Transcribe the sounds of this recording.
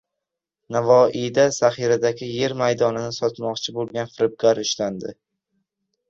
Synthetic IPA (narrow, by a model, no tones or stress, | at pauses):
navɒid̪asaχiɾad̪aɡʲɪje̞ɾmajd̪ɒnɪnɪsɒt̪mɒqt͡ʃʰɪbolˠɡʲanfɪɾɪb̚ɡʲaɾʊʃland̪ɪ